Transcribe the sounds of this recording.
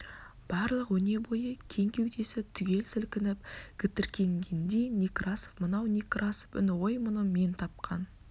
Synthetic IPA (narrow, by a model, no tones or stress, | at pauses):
b̥ɑɾlˠəqwɵne̞bo̞jəkʲʰe̞ŋkʲe̞wd̪e̞sɪt̪ʰʏɡʲe̞lsɪlkʲɪnɪp̚ɡ̥ʲɪt̪ɪɾkʲe̞ŋɡʲend̪e̞nikrɑsofmənɑwnʲikrʔasofʏ̰nɪʁojmʊnəmʲe̞nt̪ʰɑp̚qʰɑn